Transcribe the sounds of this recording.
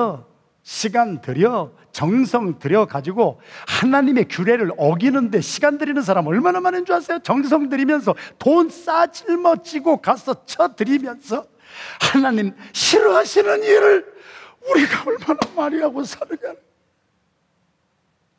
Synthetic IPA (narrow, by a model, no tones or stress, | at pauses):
ʌ | ɕʰiɡandɯɾjʌ | t͡ɕʌŋsʰʌŋtɯɾjʌɡad͡ʑiɡohanaɲime̞kjuɾe̞ɾɯɭʌɡinɯnde̞ɕʰiɡandɯɾinɯns̬ʰaɾamʌɭmanamaɾɯnd͡ʑoɦas͈ʌjot͡ɕʌŋs̬ʰʌŋdɯɾimjʌns̬ʰʌtons͈ad͡ʑiɭmʌt͡ɕiɡokasʰʌt͡ɕʰʌtɯɾimjʌnsʰʌ | hanaɲimɕʰiɾoɦaɕʰinɯniɾɯɭuɾiɡaʌɭmanamaɾiɦaɡosʰaɾɯmjʌn